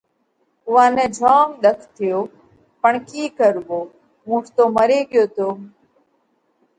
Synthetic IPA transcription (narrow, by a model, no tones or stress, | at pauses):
ʊʋãːnɛ̃ːd͡ʒʱaːmɗ̪əkʰt̪ʰɪjoː | pəɳkiːkəɾʋoː | mũːʈt̪oːməɾeːɠɪjoːt̪ʰoː